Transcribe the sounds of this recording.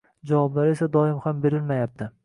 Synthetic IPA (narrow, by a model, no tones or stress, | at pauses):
d͡ʒavɒblaɾe̞sad̪ɒɪmhambe̞ɾɪlmajap̚t̪ʰɪ